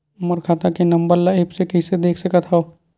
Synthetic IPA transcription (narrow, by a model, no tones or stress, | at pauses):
məɾkʰaːt̪akenəmbəɾlaeːpsekəɪsed̪eːkʰsəkət̪ɦɔo